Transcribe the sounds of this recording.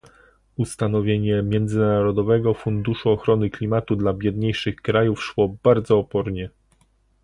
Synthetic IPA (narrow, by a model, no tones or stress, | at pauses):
ust̪anɔvʲjeɲɛmʲjɛnd̪zɘnaaɾɔd̪ɔvɛɡɔfund̪uʂuɔxɾɔnɘklʲimat̪ud̪labʲjɛd̪ɲejʂɘxkɾajufʂwɔbaɾd̪zɔːpɔɾɲɛ